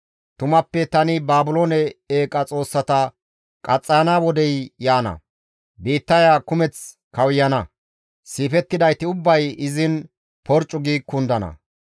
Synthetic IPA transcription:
t̪ʊmɐpːɛt̪ɐnɪbaːbʊloːnɛeːkʼɐt͡sʼo̞ːsːɐt̪ɐ | kʼɐt͡sʼːɐɐnawɔd̪ɛjjaːnɐ̰ | biːt̪ːɐjaːkʊmɛt͡s | kɐwjːɐnɐ | siːfɛt̪ːɪd̪ɐjt̪ɪʊbːɐjɪzɪn | pɔɾt͡ʃʼːʊɡiːkːʊnd̪ɐnɐ̰

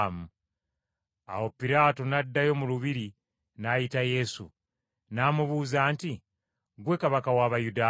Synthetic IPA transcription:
mu | a̰wo̞piɾaːtonadːajo̞muluβiɾi | najitaje̞sṵ | naːmuβuːzaːnti | ɡwe̞kaβakawaːβajudaː

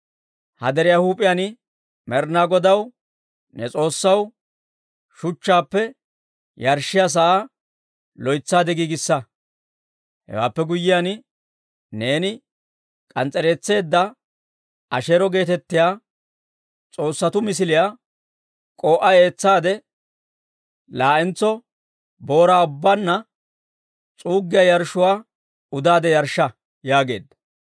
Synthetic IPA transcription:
hɐ̰d̪ɛɾɪjahuːpʼːɪjanɪ | mɛɾnaːɡɔd̪ɐw | nɛt͡sʼo̞ːsːɐw | ʃʊt͡ʃːaːpːɛ | jɐɾʃɪjas̬ɐʔa | lɔjt͡sːaːd̪ɛɡiːɡɪsːɐ | hɛ̰wa̰ːpːɛɡʊjːɪjanɪ | ne̞ːnɪ | kʼɐnt͡sʼɛɾe̞ːt͡sːe̞ːd̪ːɐ | ɐʃeːɾɔɡe̞ːt̪ɛt̪ːɪjaː | t͡sʼo̞ːsːɐt̪ʊmɪs̬ɪlɪjaː | kʼo̞ːʔɐe̞ːt͡sːaːd̪ɛ | laːʔɛnt͡sːɔ | bo̞ːɾaːʊbːanːɐ | t͡sʼuːɡːɪjajɐɾʃʊwaː | ʊd̪aːd̪ɛjɐɾʃːɐ | jaːɡe̞ːd̪ːɐ̥

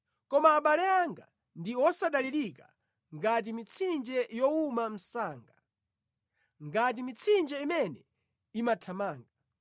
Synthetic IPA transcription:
kɔmaːɓalɛaŋɡa | ndiɔsaɗaliɾika | ŋɡat̬imit͡sʰind͡ʒɛjɔumam̩saːŋɡa | ŋɡat̬imit͡sʰind͡ʒɛimɛnɛ | imatʰamaːŋɡa

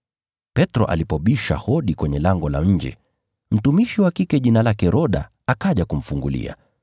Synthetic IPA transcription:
pɛtɾɔ̰ʔa̰lipɔɓiʃa̰hɔɗikwɛɲɛlaŋɡɔla̰ɲ̩d͡ʒɛ̰ | m̩tumiʃiwakikɛʄinalakɛɾʔɔɗa̰ | akaʄakum̩fuŋɡulḭa̰

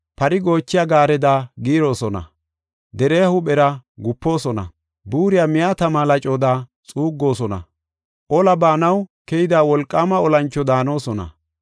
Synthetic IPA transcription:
pɐɾɪɡo̞ːt͡ʃːɪjaɡaːɾɛd̪aːɡiːɾo̞ːsɔnɐ̰ | d̪ɛɾeːhʊɓɛɾɐɡʊpːo̞ːsɔnɐ̰ | buːɾɪjaːmɪjat̪ɐmaːlɐt͡ʃʼo̞ːd̪aːt͡sʼuːɡːo̞ːsɔnɐ̰ | ʔɔlɐbaːnɐwkɛjɪd̪aːwɔlkʼːaːmɐɔlɐnt͡ʃːɔd̪aːno̞ːsɔnɐ̰

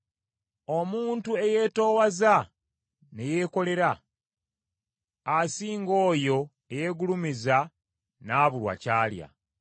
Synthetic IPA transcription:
o̞muːntue̞je̞ːto̞ːwaza | ne̞je̞ːko̞le̞ɾa | siːŋɡo̞ːjo̞ | eje̞ːɡulumiza | naːβulwa̰caːlja̰

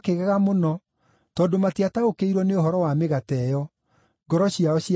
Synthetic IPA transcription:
keɣɛɣamonɔ | tɔːdomatiataokeiɾwɔneoɦɔɾɔwameɣatɛjɔ | ɡɔɾɔɕiaɔɕ

